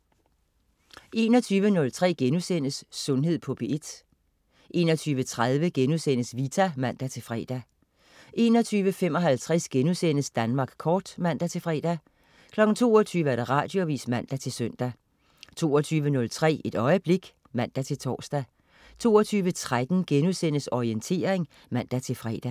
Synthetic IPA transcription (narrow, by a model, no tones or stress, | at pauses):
ʔe̝ːnɒ̽t͡sʰyːʋənɔ̽lt͡sʰʁɛ̰ːɡ̥enusen̰əsːɔ̽nɦe̝ð̞̰ˠpʰɔ̽b̥ʰee̝d̥ | ʔe̝nɒt͡sʰyːʋət͡sʰʁaðˠʋəɡ̥enusenəsʋit͡sʰæmæn̰d̥æt͡sʰe̝lfʁɛ̰ːd̥æ | ʔe̝ːnɒ̽t͡sʰyːʋəfem̰ɒ̽ɦælt͡sʰʁɛsɡ̥enusen̰əsd̥ænmɑ̈ːɡ̥kʰɒːd̥mæn̰d̥æt͡sʰe̝lfʁɛ̰ːd̥æ | kʰlɒ̥̽n̩t͡sʰo̝ːɒt͡sʰyːʋəæɐɾ̥ɑʁɑ̰̈ːd̥jo̝ʋḭːsmæn̰d̥æt͡sʰe̝lsœn̰d̥æ | t͡sʰo̝̰ːɒt͡sʰyːʋənɔ̽lt͡sʰʁɛ̰ːe̝d̥ɒ̽ɪəb̥le̝ɡ̥ | mæn̰d̥æt͡sʰe̝lt͡sʰɒ̰ːsd̥æ | t͡sʰo̝̰ːɒt͡sʰyːʋət͡sʰʁad̥n̩ɡ̥enuðˠsen̰əsɒient͡sʰe̝̰ːɐeŋ | mæn̰d̥æt͡sʰe̝lfʁɛ̰ːd̥æ